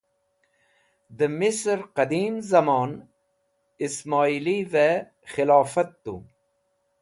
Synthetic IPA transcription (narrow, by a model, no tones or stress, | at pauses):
d̪əmɪsɾqɐd̪iːmzɐmɑːn | ismɑːiːlive | xɪlɑːfət̪ːṵ